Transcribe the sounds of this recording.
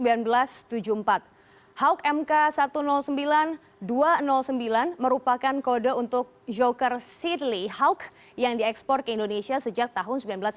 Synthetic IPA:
mbilanbəlast̪ud͡ʒuəmpat̪̚ | hawkɛmkasat̪unɔlsəmbilan | duanɔlsəmbilanməɾupakankodaunt̪ʊk̚d͡ʒokərsid̪lihawk | jaŋdiɛkspɔr̚kəindonesiasəd͡ʒak̚t̪aɦʊnsəmbilanbəlas

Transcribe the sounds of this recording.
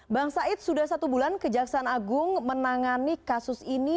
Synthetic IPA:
baŋsaɪt̪̚sudahsat̪ubulankəd͡ʒaksaːnaɡʊŋmənaŋanikasʊsini

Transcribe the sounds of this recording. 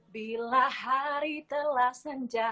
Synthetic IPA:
bilahaɾit̪əlahsəɲd͡ʒa

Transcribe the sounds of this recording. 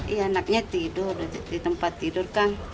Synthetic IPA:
ianak̚ɲat̪idʊrdit̪əmpat̪ːidʊrkan

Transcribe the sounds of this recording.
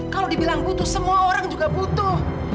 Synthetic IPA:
kalodibilaŋbut̪ʊsəmuaoɾaŋd͡ʒuɡabut̪ʊh

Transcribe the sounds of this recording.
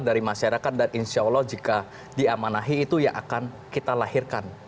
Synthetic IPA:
daɾimaʃaɾakat̪̚daninisiolɔd͡ʒika | diamanaɦiːt̪uja̰ŋʔa̰kan | kit̪alahirkan

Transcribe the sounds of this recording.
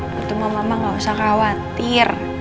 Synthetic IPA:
ut̪ʊmamamaŋausakawat̪ɪr

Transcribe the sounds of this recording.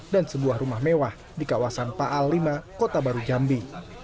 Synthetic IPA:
dansəbuahrumahmewah | dikawasanpaʔalːimakot̪abaɾud͡ʒambi

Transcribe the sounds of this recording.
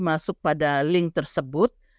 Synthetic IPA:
masʊk̚padalɪŋt̪ərsəbʊt̪̚

